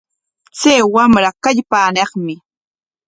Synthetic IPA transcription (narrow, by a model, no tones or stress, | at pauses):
t͡sajwamɾakaʎpaːneχmɪ